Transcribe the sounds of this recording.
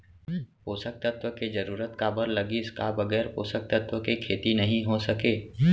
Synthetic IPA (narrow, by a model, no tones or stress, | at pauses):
poːsək̚t̪ət̪wəked͡ʒɐɾuːɾət̪kabəɾlɐɡiskabɐɡɛːɾpo̰ːsək̚t̪ət̪wəkekʰeːt̪inɐɦĩɦosɐkeː